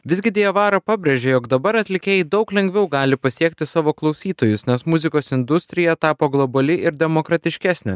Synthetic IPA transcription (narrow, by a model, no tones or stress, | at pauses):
ʋʲɪzɡʲɪd̪ʲiːɛʋɑːɾɐpɑːbʲɾʲeʒʲɛjoːkd̪ɐbɐɾɐt̪ʲlʲɪkʲeːjɪd̪ɒʊklʲɛŋʲɡʲʋʲɛʊɡɑːlʲɪpɐsʲiɛkt̪ʲɪsɑːʋoːklˠɒʊsʲiːt̪oːjʊsnʲɛsmʊzʲɪkoːsɪnd̪ʊsʲt̪ʲɾʲɪjɛt̪ɑːpoːɡlˠɔbɐlʲɪʔɪɾd̪ʲɛmoːkɾɐt̪ʲɪʃʲkʲæːsʲnʲɛ